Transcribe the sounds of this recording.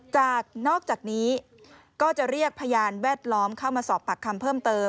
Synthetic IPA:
t͡ɕaː˨˩k̚nɔː˥˩k̚t͡ɕaː˨˩k̚niː˦˥ | kɔː˥˩t͡ɕa˨˩ɾi˥˩ək̚pʰa˧jaː˧nwɛː˥˩t̪̚lɔː˦˥mkʰa˥˩wmaː˧sɔː˨˩pʰːa˨˩kʰːa˧mpʰɤː˥˩mt̪ɤː˧m

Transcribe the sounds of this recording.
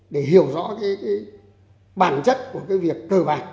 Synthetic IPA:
ɗe˧˩ɦi˧˩˨əwzɔ̰˧˥kaː˨˦jkaː˨˦j | ɓaː˧˩nt͡ɕə˦˥t̚ku˧˩əkaː˨˦jvi˨˩əkːəː˧˩vaː˨˩n

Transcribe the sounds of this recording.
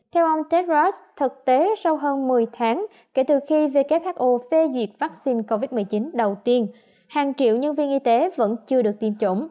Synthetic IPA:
t̪ʰɛ˧wʔə˧wŋ͡mt̪ɛ˦˥t̚lɔ˦˥st̪ʰɨ˨˩k̚t̪e˨˦sa˧wɦəː˧nmɨ˨˩əjt̪ʰaː˨˦ŋ | ke˧˩t̪ɨ˨˩xi˧ve˨˩ke˦˥p̚haː˦˥k̚ʔo˨˩fe˧zwi˨˩ək̚vaː˦˥k̚si˧nko˧vi˦˥t̚mɨ˨˩əjt͡ɕi˨˦nɗə˨˩wt̪i˧ən | haː˨˩ŋt͡ɕḭ˧˨əwɲə˧nvi˧ənʔi˧t̪e˨˦və̰˧˥nt͡ɕɨ˧əɗɨ˨˩ək̚t̪i˨˩mt͡ɕo̰˧˥ŋ͡m

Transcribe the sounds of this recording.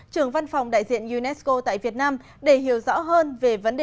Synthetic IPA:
t͡ɕɨ˨˩əŋva˧nfa˨˩wŋ͡mɗa̰ː˧˨jzḭ˧˨ənju˧nɛ˦˥sko˧t̪a̰ː˧˨jvi˨˩ət̚naː˧m | ɗe˧˩hɦi˧˩əwzɔ̰˧˥ɦəː˧nve˨˩və˨˦nɗe˨

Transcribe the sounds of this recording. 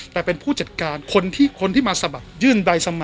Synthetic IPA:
t̪ɛː˨˩pe˧npʰuː˥˩t͡ɕa˨˩t̪̚kaː˧nkʰo˧nt̪ʰiː˥˩kʰo˧nt̪ʰiː˥˩maː˧sa˧ba˨˩k̚jɯː˥˩nda˧jsa˧ma˨˩

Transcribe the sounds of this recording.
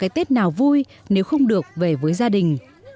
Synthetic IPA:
kaː˨˦jt̪e˦˥t̚naː˨˩wvu˧j | ne˨˦wxə˧wŋ͡mɗɨ˨˩ək̚ve˨˩vəː˨˦jzaː˧ɗï˨˩ŋ̟

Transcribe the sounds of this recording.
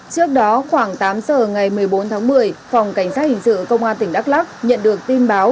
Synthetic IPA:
t͡ɕɨ˦˥ək̚ɗɔ˨˦xwaː˧˩ŋt̪aː˨˦mzəː˨˩ŋa˨˩jmɨ˨˩əjɓo˨˦nt̪ʰaː˨˦ŋmɨ˨˩əjfa˨˩wŋ͡mka˧˩jŋ̟saː˦˥t̚hï˨˩ŋ̟sɨ̰˧˨kə˧wŋ͡mʔaː˧nt̪ï˧˩ŋ̟ɗa˦˥k̚laː˦˥k̚ɲə̰˧˨nɗɨ˨˩ək̚t̪i˧nɓaː˨˦w

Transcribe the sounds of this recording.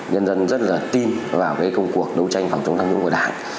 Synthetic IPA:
ɲə˧nzə˧nzə˦˥t̚laː˨˩t̪i˧nvaː˨˩wkaː˨˦jkə˧wŋ͡mku˨˩ək̚ɗə˨˦wt͡ɕa˧jŋ̟fa˨˩wt͡ɕə˨˦ŋ͡mt̪a˧ŋɲʊ̰˧˥ŋ͡mkːɗa̰ː˧˨ŋ

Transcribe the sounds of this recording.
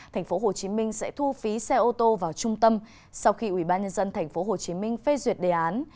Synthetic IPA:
t̪ʰa˨˩jŋ̟fo˨˦ɦo˨˩t͡ɕi˨˦mï˧ŋ̟sɛ̰˧˥t̪ʰu˧fi˨˦sɛ˧ʔo˧t̪o˧vaː˨˩wt͡ɕʊ˧ŋ͡mt̪ə˧m | sa˧wxi˧ʔwi˧˩ɓaː˧nɲə˧nzə˧nt̪ʰɛ˨˩jŋ̟fo˨˦ɦo˨˩t͡ɕi˨˦mï˧ŋ̟fe˧zwi˨˩ət̚ɗe˨˩ʔaː˨˦n

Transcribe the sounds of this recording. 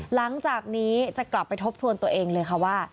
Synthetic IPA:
la˩˦ŋt͡ɕaː˨˩k̚niː˦˥t͡ɕa˨˩kla˨˩pːa˧jt̪ʰo˦˥p̚t̪ʰu˧ənt̪u˧əʔeː˧ŋlɤː˧jkʰa˥˩waː˥˩

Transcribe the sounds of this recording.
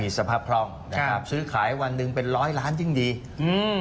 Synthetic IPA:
iː˨˩sa˧pʰaː˧˩p̚kʰlɔː˧ŋna˧˥˧kʰa˦˥p̚sɯː˦˥kʰaː˩˦jwa˧nːɯ˧ŋpe˧nɾɔː˦˥jlaː˦˥nt͡ɕɯ˧˩ŋdiː˧ | ɯː˧

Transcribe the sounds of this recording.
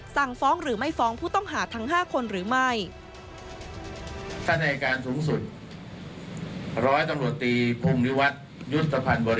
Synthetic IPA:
sa˨˩ŋfɔː˦˥ŋɾɯː˩˦ma˥˩jfɔː˦˥ŋpʰuː˥˩t̪ɔ˥˩ŋɦaː˩˦t̪ʰa˦˥ŋɦaː˥˩kʰo˧nɾɯː˩˦ma˥˩j | t̪ʰa˥˩na˧kaː˧nsuː˩˦ŋsu˨˩t̪̚ | ɾɔː˦˥jt̪a˧mɾu˨˩ət̪ːiː˧pʰuː˧mni˦˥wa˦˥t̪̚ | ju˦˥t̪ʰːa˧pʰa˧nbɔː˧ɾi˦

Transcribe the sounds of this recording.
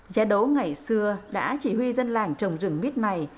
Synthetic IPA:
zaː˨˧˦ɗo˨˦ŋa˨˩jsɨ˧əɗa̰ː˧˥t͡ɕi˧˩hwi˧zə˧nlaː˨˩ŋt͡ɕə˨˩wŋ͡mzɨ̰˧˩ŋmi˦˥t̚na˨˩j

